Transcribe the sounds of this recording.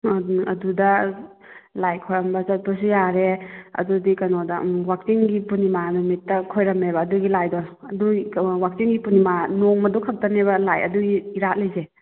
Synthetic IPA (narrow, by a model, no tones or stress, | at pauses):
ɐ̰dudɐ | lajkʰojɾɐmbɐzɐt̚pas̬ujaɾeɐ̰dudikɐnɔdɐwak̚siŋɡipunimanumitːɐkʰojɾɐmebɐːduɡilajdɔ | ɐduwak̚siŋɡipunimanɔŋmɐdɔkʰɐp̚tɐnebɐlajɐ̰duɡiiɾat̚lajze